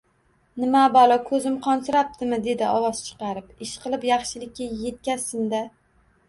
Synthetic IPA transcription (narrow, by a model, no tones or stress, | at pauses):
nɪmabɒlˠɒkʰɵzɪmqʰɒnsʊɾap̚t̪ʰɪmɪd̪e̞d̪ɪɒwɒzt͡ʃʰɨ̥qɑɾɪpɪʃqɨlˠɪpjɑχʃɪlɪkʲːaje̞t̪̚kʲasɪmd̪a